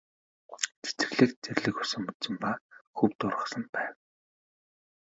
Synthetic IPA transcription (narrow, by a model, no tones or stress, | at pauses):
t͡se̥t͡sɘ̆ɮɘ̆kt͡særʲɮɘ̆kʊsə̆mut̪t͡sɘ̆mpaxɵwt̪ʊrʁə̆sə̆npæːw